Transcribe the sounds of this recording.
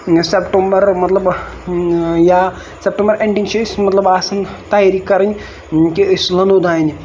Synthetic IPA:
sepʈombɐɾmɐt̪lɐb | ja | sep̚ʈɐ̃mbəɾẽɳʈint͡ʃʰismɐt̪lɐbaːsɐnt̪aːjaɾikːɐɾən | kiəslɐnod̪aːni

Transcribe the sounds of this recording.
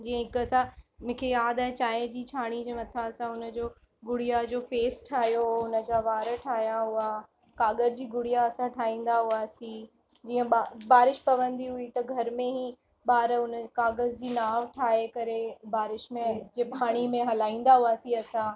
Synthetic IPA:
d͡ʑiːə̃ɦɪkɐsãmʊ̃ːkʰejaːd̪aːɦt͡ɕaːjd͡ʑiːt͡ɕʰaːɽ̃id͡ʑeːmɐt̪ʰaɐsãʊnə̆d͡ʑoː | ɡʊɽijad͡ʑoːfeːsʈʰaːɦijoʊnə̆d͡ʑaʋaːɾəʈʰaːɦijãɦʊa | kaːɡəɾd͡ʑiːɡʊɽijaɐsãʈʰaːĩːn̆d̪aɦuaːsĩ | d͡ʑiːə̃ɓabaːɾɪʃpɐʋə̃nd̪iɦʊit̪ɐɡʱɐɾmẽɦĩ | ɓaːɾʊnkaːɡəzd͡ʑiːnaːʋʈʰaːɦekɐɾebaːɾɪʃmẽd͡ʑebʱaːɽ̃imẽɦɐlaːĩːnd̪aɦuaːsĩɐsã

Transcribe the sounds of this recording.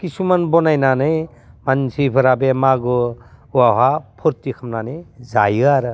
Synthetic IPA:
kisumanbɔnajnanɯj | mansʰipʰɯɾabemaɡɔuwaɦapʰɔɾtikʰamnanɯjzajaɾɯ

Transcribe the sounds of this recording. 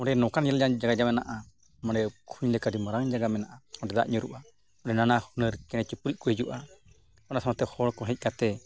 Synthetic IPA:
ɔɖɛnɔkanjaljad͡ʒaɡad͡ʒamɛnaʔa | maɽɛkʰuɲlɛkadimɔɾaŋd͡ʒaɡamɛnaʔaɔɖɛd̪a̰ʔɲuɾṵʔa | ɔɖɛnanahunəɾkɛnɛt͡ʃipuɾic̚ˀkɔhid͡ʒuʔa | ɔnasamat̪ɛhɔɽkɔɦɛc̚ˀkat̪ɛ

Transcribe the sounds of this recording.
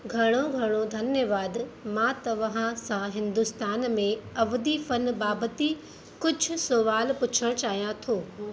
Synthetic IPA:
ɡʱɐɽ̃oɡʱɐɽ̃od̪ʱɐnjəʋaːd̪mãt̪ɐʋɐɦãsãɦɪ̃nd̪ʊst̪aːnmẽɐʋd̪ifɐnbaːbət̪i | kʊd͡ʑʱʊ̆soʋaːlpʊt͡ɕʰəɽ̃t͡ɕaːɦijãt̪ʰoː

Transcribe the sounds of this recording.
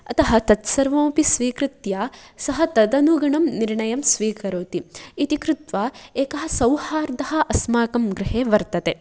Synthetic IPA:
ɐt̪ɐɦɐt̪ɐt̪sɐɾʋõːpisʋiːkɾɪt̪jaːsɐɦɐt̪ɐd̪ɐnuɡɐɳɐmniɾɳɐjɐmsʋiːkɐɾoːt̪iit̪ikɾut̪ʋaːeːkɐɦɐ̆sɐwhaːɾd̪ɐɦɐ̆ʔɐsmaːkɐmɡɾɪɦeːʋɐɾt̪ɐt̪e

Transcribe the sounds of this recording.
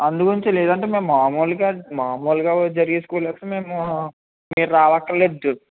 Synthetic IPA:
ɐnd̪ukoiɲt͡ʃeleːd̪ɐɳʈeːmeːmːaːmoːlɡaːmaːmoːlɡaːd͡ʒɐɾiɡeːskulɛːt̪ːme̞ːmu | miːɾɾaːʋɐkːɐleːd̪u

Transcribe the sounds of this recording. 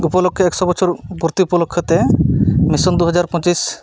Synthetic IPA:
upɔlokʰːjɔɛksɔbɔt͡ʃʰoɾpuɾt̪iupɔlokʰːjɔt̪emisɔnd̪uɦɔd͡ʑaɾpɔ̃t͡ʃis

